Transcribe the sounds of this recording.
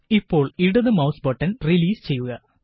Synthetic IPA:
ipːo̞ːɭiɽɐðɨmɐwsbɐʈːɐnriliːst͡ɕe̞jːuɣɐ

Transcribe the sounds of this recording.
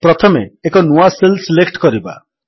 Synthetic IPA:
pɾɔt̪ʰɔmeːkɔnuaselsilekʈkɔɾiba̰

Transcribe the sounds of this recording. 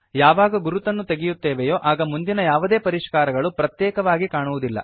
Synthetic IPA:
jaːʋaːɡɐɡuɾut̪ɐnːut̪e̞ɡijut̪ːeːʋejo̞ːʔaːɡɐmund̪inɐjaːʋud̪e̞ːpɐɾiʂkaːɾɐɡɐɭupɾɐt̪jɛːkɐʋaːɡikaːɳuʋud̪ilːɐ̰

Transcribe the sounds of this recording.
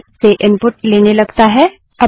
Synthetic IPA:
seʔɪ̃mpʊʈleːnelɐɡt̪aɦɛ | ɐ

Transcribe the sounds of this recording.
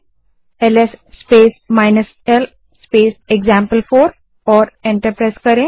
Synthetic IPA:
elesːpeːsmajnəs | el | speːseɡzãmpəlfoːɾ | ɔːɾẽɳʈəɾpɾajskəɾẽ

